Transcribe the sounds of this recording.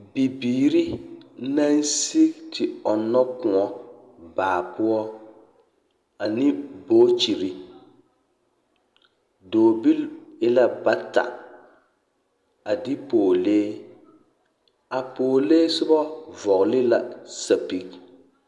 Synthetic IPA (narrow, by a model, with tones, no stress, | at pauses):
bi˨biː˨ɾi˦na˦n˦si˦tɪ˨ɔ˨nːɔ˦kʊ˨ɔ˨ | baː˨pʊ˦ɔ˦ | a˨nɪ˦boː˦t͡ʃi˨ɾi˦ | doː˨bi˦lɪ˦la˦ba˦ta̰˨ | a˨dɪ˦poː˨leː˦ | a˨poː˨leː˦sʊ˦bɔ˦vɔ˨ɣlɪ˦la˨sa˨pi˨k̚